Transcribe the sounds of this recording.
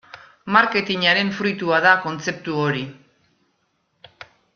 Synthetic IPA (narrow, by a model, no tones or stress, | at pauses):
maɾke̞t̪iɲaɾe̞ɱfɾujt̪uaðako̞nt͡se̞p̚t̪uo̞ɾi